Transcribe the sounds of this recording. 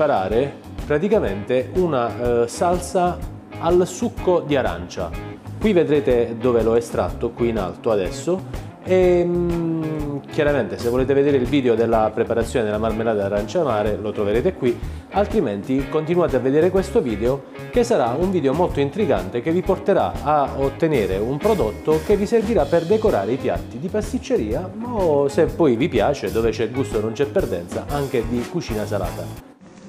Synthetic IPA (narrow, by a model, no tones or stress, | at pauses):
paɾaːɾe | pɾat̪ikament̪eunasalsa | alsukʰːod̪iaɾa̰nt͡ʃa̰kwived̪ɾeːt̪ed̪oːveloɛst̪ɾa̰t̪ːokwiːna̰lt̪oad̪ɛ̰sːo | e | k̟jaɾament̪esevːoleːt̪eved̪eːɾeilviːd̪eod̪elːapɾepaɾat̪sːjoːned̪elamalmelaːd̪aaɾant͡ʃamaːɾelot̪ɾoveɾeːt̪ekwi | alt̪ɾiment̪ikont̪inwaːt̪eavːed̪eːɾekwest̪oviːd̪eo | kesːaɾauɱviːd̪eomɔlt̪oint̪ɾiɡa̰nt̪ekeviport̪eɾa̰aot̪ːeneːɾeumpɾod̪ot̪ːokevːiserviɾapːerd̪ekoɾa̰ːɾeipja̰t̪ːid̪ipast̪it͡ʃːeɾiːamasepːɔjvipjaːt͡ʃed̪oːvet͡ʃɛɡust̪onont͡ʃɛpːerd̪ɛ̰nt̪sa̰ʔaŋk̟ed̪ikut͡ʃiːnasala̰ːt̪a